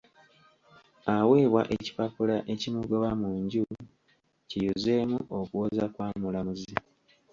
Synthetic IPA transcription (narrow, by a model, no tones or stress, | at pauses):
aweːβwa̰ʔeci̥papulaʔe̞cimuɡoβamuːɲɟu | cijuze̞ːmuʔo̞kuwozakwaːmulamuzi